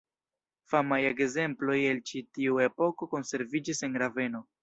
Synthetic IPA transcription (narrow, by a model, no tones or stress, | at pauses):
famaje̞ɡze̞mplo̞je̞lt͡ʃitiue̞po̞ko̞ko̞nse̞ɾvid͡ʒise̞nɾave̞no̞